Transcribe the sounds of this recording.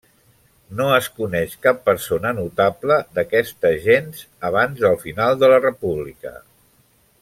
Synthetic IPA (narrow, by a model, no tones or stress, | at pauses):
noəskunɛʃkapːəɾsonənut̪abləd̪əkɛst̪əʒenz | əβ̞anzəlˠfinalˠd̪ələrəpuβlikə̰